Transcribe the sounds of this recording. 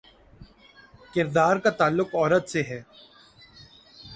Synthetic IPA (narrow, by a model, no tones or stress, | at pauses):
kɪɾd̪aːɾkat̪aːlːʊkɔːɾət̪seɦɛː